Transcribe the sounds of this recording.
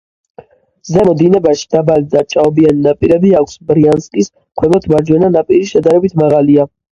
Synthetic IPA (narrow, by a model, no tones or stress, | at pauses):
zɛmɔd̪inɛbaʃi̥d̪abalid̪at͡ʃʼaɔbianinapʼiɾɛbiakʷʰsbɾianskʼis | χʰwɛbɔt̪ʰmaɾd͡ʒwɛnanapʼiɾiʃɛd̪aɾɛbit̪ʰmaʁalia